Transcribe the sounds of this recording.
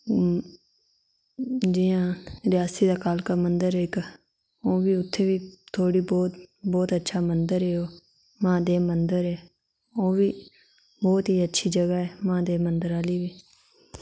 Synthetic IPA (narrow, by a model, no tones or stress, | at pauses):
d͡ʒiːãːɾɪjaːsiːd̪aːkaːlkaːmənd̪əɾeɪk | oːʋiːʊt̪ʰːeːʋiːt̪ʰoːɽiːbɔːt̪bɔːt̪ətːʃʰaːmənd̪əɾeːoː | mãːd̪eːmənd̪əɾɛː | oːʋiː | bɔːt̪ɦiːətːʃʰiːd͡ʒəɡaːɛːmãːd̪eːmənd̪əɾaːliːʋiː